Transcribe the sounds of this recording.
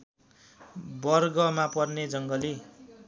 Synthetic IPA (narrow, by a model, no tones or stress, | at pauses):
bʌrɡʌmapʌrned͡zʌŋɡʌli